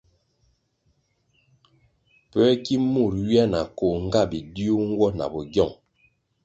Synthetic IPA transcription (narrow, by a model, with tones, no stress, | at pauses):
pɛ˦ki˦mu˦˨ɾɥi˦a˦na˨ko˨ŋ̩˦ɡa˦˨bi˨di˦u˦ŋ̩˦ɡwɔ˦na̰˨bɔ˨ɡjɔ˦˨ŋ